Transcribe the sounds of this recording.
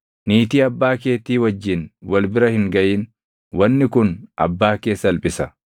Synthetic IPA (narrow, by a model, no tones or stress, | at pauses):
niːt̪iːɐbːaːke̞ːt̪ːiːwɐd͡ʒːɪnwɐlbɪɾɐhɪŋɡɐʔiːn | wɐnːɪkʊnʔɐ̰bːaːke̞ːsːɐlpʼɪsɐ